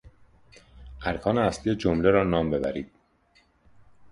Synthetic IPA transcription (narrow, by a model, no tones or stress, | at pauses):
ʔæɾkʰɒːneæsliːed͡ʒomleɾɒːnɒːmbe̞bæ̰ɾiːd̪̥̚